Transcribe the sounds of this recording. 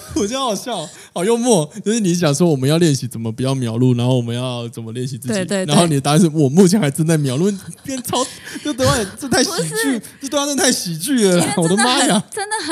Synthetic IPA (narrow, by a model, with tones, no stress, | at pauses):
wɔ˨˩t͡ɕxɑ˨˩ʊɕjɑ˥˩ʊ | xɑ˨˩ʊjo˥˧ʊmwɔ˥˩t͡ɕ̪a˥˧ʂɻ̩˥˩ni˧˥ɕ̬jɑ˨˩ŋʂwɔ˥wɔ˨˩mə˦njɑ˥˧ʊljɛ˥˩nɕi˨t͡sə˨˩mə˦pu˨˩t͡ɕjɑ˥˩ʊmjɑ˨˩ʊlu˥˩na˧˥nxo˥˩ʊwɔ˨˩mə˦njɑ˥˩ʊt͡sə˨˩nmə˦ljɛ˥˩nɕi˨˩t͡sɹ̩˥˧˩i˨˩˧na˧˦nxo˥˩ʊni˨˩ɛ˨˩t̪a˥˧nʂ̩˥˩wɔ˨˩mu˥˩t͡ɕʰɛ˧˥nxa˧˥t͡sə˥na˥˩ɪmjɑ˨˩ʊlu˥˩pɛ˥˩nt͡sʰɑ˥ʊ˥t͡ɕo˥˩ʊt̪ə˧˥t̪a˥˩˨t͡sə˥˧t̪ʰa˥˩ɪɕi˨˩t͡ɕy˥˩t͡ɕo˥˧˩t̪ə˧˥˧t͡sə˥˧˥t̪ʰa˥˩ɪɕi˨˩t͡ɕy˥˩ə˨˩˨ɔ˩d̪ə˦ma˥ja˨˩ə˥nd̪ə˨